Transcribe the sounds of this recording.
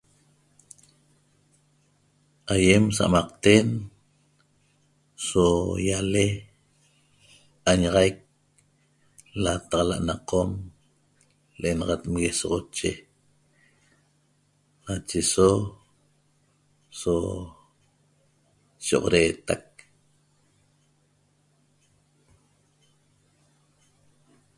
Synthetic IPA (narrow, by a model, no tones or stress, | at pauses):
ajems̬aʔamɑq̚t̪en | sojale | aɲaʁɑjk̚ | lat̪ɑʁɑla̰ʔnaqom | lʔenɑʁɑt̪mɣesɔʁot͡ʃe | nat͡ʃeso | so | ʃo̰ʁoɾeːt̪ak̚